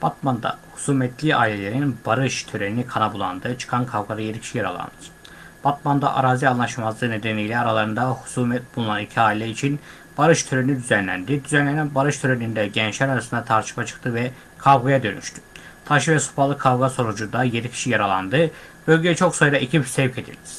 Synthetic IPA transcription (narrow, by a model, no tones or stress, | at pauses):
b̥at̪mand̪a̰hu̥suːmɛt̪ʰlʲia̰ilʲelʲe̞ɾinbaɾɯʃt̪ʰøɾeninikʰanabulˠa̰nd̪ɯt͡ʃʰɯ̥kʰankʰavɡad̪ajeɾicʰi̥ʃijaɾa̰lˠa̰nɯ̥ | b̥at̪mand̪a̰ʔa̰ɾaːzianlˠaʃmazd̪ˠɯːned̪enejlʲɛaɾalˠaɾɯnd̪ahu̥suːmɛt̪̚bulˠunanicʰiaːilʲɛit͡ʃʰin | b̥aɾɯʃt̪ʰøɾeinid̪yzænlʲæ̰nd̪id̪yzænlʲenænbaɾɯʃt̪ʰøɾenind̪ɛɟɛnt͡ʃlʲæɾaɾasɯnd̪at̪ʰaɾt̪ʃʰɯ̥pat͡ʃʰɯ̥kt̪ʰɯvɛ | kʰavɡajad̪ø̞ny̰ʃt̪ʰy̥t̪ʰaʃɯvɛsu̥palˠɯkʰavɡaso̞nud͡ʒud̪ajenicʰi̥ʃijaɾalˠa̰nd̪ɯ | b̥ø̞lʲɟejɛt͡ʃʰo̞ksajɾaʔicʰipsɛvcʰe̞d̪ḭlʲd̪i̥